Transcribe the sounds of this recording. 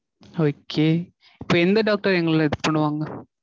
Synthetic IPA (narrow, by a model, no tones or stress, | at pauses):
oːkʰːeː | ɪpːoːɛnd̪ɐɖaːk̚ʈɐɾɛŋɡɐɭɯlãɛðɯpːɐɳɯʋaːŋɡɐ